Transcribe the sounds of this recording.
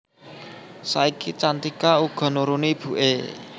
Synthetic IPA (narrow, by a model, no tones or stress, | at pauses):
saikit͡ʃant̪ikauɡ̥ɔ̤nuɾunib̥ṳʔe